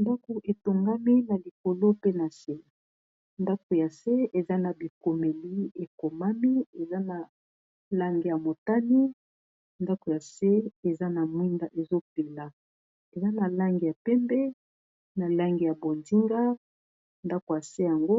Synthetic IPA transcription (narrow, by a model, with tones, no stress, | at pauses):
nda˦ko˨ʔe˨to˨ŋɡa˦mi˦na˨li˨ko˨lo˦pe˦na˨se˦˨ | nda˦ko˨ja˨se˦ʔe˨za˦na˨bi˨ko˨me˨li˦e˨ko˨ma˦mi˦e˨za˦na˨ | la˦ŋɡi˨ja˨mo˨ta˦ni˦ | nda˦ko˨ja˨se˦e˨za˦na˨mwi˦nda˦ʔe˨zo˦pe˨la˨ | e˨za˦na˨la˦ŋɡi˨ja˨pɛ˦mbɛ˦ | na˨la˦ŋɡi˨ja˨bo˨ndu˦ɾa˦ | nda˦ko˨ja˨se˦ja˨ŋɡo˦